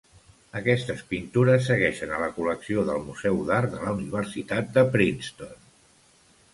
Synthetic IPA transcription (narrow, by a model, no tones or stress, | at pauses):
əkɛst̪əspint̪uɾəsːəɣɛʃənələkuləksioðəlˠmuzɛwðaɾðələuniβ̞əɾsit̪at̪̚d̪əpɾinst̪on